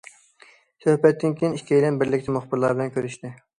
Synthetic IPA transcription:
søhpɛt̪ːɪŋkʲʰijnikʲʰːijlɛnbɪɾlɪkʲt̪ʰɪmoχbɪɾlˠɑɾbɪlɛnkʲʰøɾyʃt̪ɪ

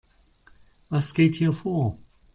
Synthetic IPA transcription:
askeɪt̚hifɔ

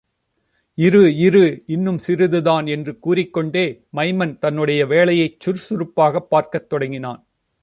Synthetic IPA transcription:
ɪɾɯɪɾɯɪnːɯmsɪɾɯðɯðaːnɛndrɯkuːrɪkːɔɳɖeːmɐɪmɐnt̪ɐnːɯɽɐjɐʋeːɭɐjɐɪt͡ʃːʊɾsʊɾɯpːaːɣɐpːaːɾkɐt̪ːɔɽɐŋɡɪnaːn

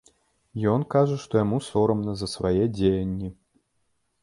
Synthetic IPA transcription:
jɔnkaʐɐʂt̪ɔjamusɔɾɐmnɐzɐsvajɛd͡zʲejɐnʲːi

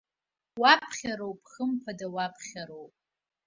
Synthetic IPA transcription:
wapʰχʲaɾowpʰʼχəmpʰadawapʰχʲaɾowpʼ

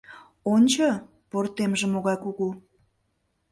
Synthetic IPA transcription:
onʲt͡ɕo | port̪emʒĕmoɣɑjkuɣu

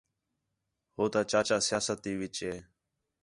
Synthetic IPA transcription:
hoːt̪aːt͡ʃaːt͡ʃaːsɪjaːsət̪ːiːʋɪt͡ʃeː

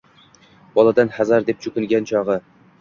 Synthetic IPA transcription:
b̥ɒlˠad̪anhazaɾd̪e̞p̚t͡ʃʰʊkʲɪŋɡʲant͡ʃʰɒʁɨ

